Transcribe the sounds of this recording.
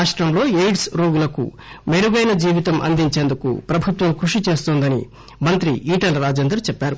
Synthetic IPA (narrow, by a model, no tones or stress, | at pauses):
aːʂʈɾɐmlo̞ːejɖsɾo̞ːɡulɐkṵ | meɾuɡɐjnɐd͡ʒiːʋit̪ɐmʔɐ̰nd̪iɲt͡ʃeːnd̪ukṵpɾɐbʱut̪ʋɐmkɾuʂit͡ʃe̞ːst̪oːnd̪ɐnḭ | mɐnt̪ɾiʔiːʈɐlɾaːd͡ʒeːnd̪ɾɐt͡ʃɛpːaːɾu